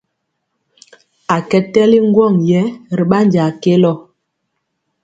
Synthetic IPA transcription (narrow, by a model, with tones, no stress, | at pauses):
a˨kɛ˦tɛ˦li˦ŋ˦ɡwɔ˦˨ŋjɛ˦˨ɾi˨ɓa˦nd͡ʒa˨ke˦lɔ˦˨